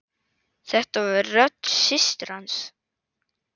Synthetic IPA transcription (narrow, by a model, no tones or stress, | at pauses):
θɛht̪avarœt̪sɪst̪ɾans